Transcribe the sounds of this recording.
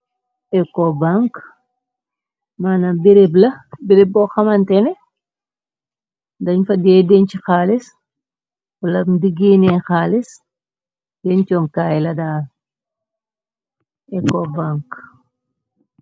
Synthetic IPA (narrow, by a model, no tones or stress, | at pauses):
ɛkɔbaŋk | manabiɾeblɐbiɾeb̚bɔxɐmɐntɛnɛ | dɐɲfɐdɛdɛnt͡ʃixaːlis | wɐlɐdiɡiːnɛxaːlis | dɛɲt͡ʃɔmkaːjlɐdaː | ɛkːɔbaŋk